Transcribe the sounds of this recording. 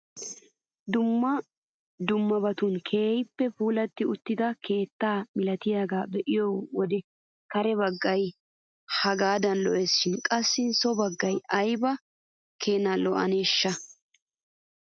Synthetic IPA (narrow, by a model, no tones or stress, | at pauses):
d̪ʊmːɐ | d̪ʊmːɐbɐt̪ʊnkʰe̞ːjpːɛpuːlɐt̪ːɪʊt̪ːɪd̪ɐke̞ːt̪ːaːmɪlɐt̪ɪjaːɡaːbɛʔɪjowɔd̪ɛ | kɐɾɛbɐɡːɐj | hɐɡaːd̪ɐnlɔʔesːɪnkʼɐsːɪsɔbɐɡːɐjɐjbɐ | kʰeːnɐlɔʔɐ̰neːʃːɐ